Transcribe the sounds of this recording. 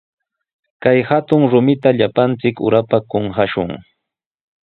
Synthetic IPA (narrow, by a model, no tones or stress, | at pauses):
kajhat̪ʊŋɾʊmɪt̪aʎapant͡sɪkʊ̰ɾapakoŋxaʃʊ̰ŋ